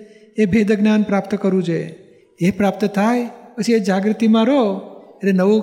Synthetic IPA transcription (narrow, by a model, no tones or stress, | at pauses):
ebʱed̪əɡnanpɾapt̪kəɾũt͡ʃʰe | epɾap̚t̪t̪ʰajpət͡ʃʰied͡ʒaɡɾət̪imãɾoeʈlenəʋũ